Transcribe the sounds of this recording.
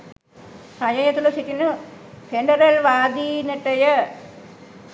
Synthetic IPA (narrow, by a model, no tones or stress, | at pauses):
sɐjɐjɐt̪ːulːɐsitːinɨ | fʰeɳɖɐrɐlʋaːd̪inɐʈːɐjɐ